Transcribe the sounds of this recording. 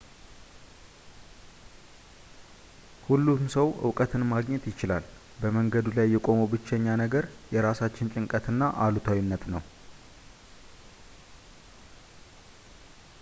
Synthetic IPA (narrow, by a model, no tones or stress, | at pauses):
hulːumsəwʔɨ̰wkʼət̪ʰɨnmaɡɲɛt̪jɪt͡ʃɪlal | bəməŋɡəd̪ulajːɛkʼo̞mubɨt͡ʃːɛɲːanəɡəɾjɛɾasat͡ʃːɪnt͡ʃʼɪŋkʼət̪ʰɨnːaʔalut̪ʰawinːət̪nəw